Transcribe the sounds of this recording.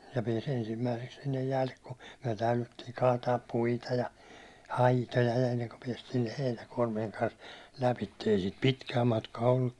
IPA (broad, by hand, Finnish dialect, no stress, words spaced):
jɑ pies ensimːæiseks sinːej jæːlːe ku myæ̹ tæylytːiːŋ kɑːtɑːp puitɑ jɑ ɑitojɑ enːeŋku piɛstiː heinækuɒrmieŋ kɑns læpitːe ei siːt pitkæː mɑtkɑː olːuk